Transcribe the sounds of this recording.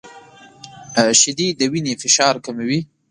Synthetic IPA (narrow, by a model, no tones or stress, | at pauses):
ʃɪd̪id̪əwinefɪʃɑɾkamewi